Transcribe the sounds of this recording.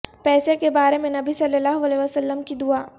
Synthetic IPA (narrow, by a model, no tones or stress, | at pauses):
pɛːsekebaːɾemẽnɐbisɐlːəlːaːɦoɐleːʋasəlːəmkid̪ʊaː